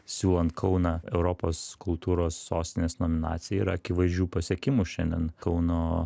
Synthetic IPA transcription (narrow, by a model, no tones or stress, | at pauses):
sʲuːlˠɐnt̪kʰɐʊnɑːɛʊɾoːpoːskʊlˠt̪uːɾoːsːoːsʲt̪ʲɪnʲeːsnoːmʲɪnɑ̰ːt̪sʲɪjɛiɾɐɐkʲɪʋɐɪzʲd͡ʒʲuːpɐsʲiɛkʲɪmuʃʲɛnʲd̪ʲɛ̰nkɐʊnoː